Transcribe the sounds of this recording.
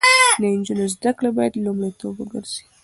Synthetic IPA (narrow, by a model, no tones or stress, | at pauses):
d̪əɪnd͡ʒunozd̪aklebɑjad̪lumɽajt̪obwəɡəɾz̥e